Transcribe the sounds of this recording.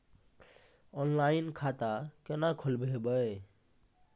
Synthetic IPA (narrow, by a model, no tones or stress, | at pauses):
ɔnlainkʰat̪akenakʰulbʱebəe